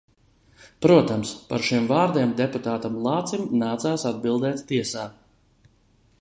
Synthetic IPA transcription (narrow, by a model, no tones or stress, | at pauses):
pɾuɔt̪amspa̰ɾʃimvaːɾd̪iɛmd̪eput̪aːt̪amlˠɑːt̪simnaːt̪saːsad̪̚bilˠd̪ɛːt̪t̪iɛsaː